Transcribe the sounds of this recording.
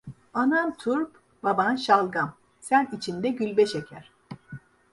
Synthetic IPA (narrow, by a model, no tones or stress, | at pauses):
anamt̪ʰuɾp | babanʃalˠɡam | sænit͡ʃʰind̪ɛɟylʲbɛʃecʰæɾ̥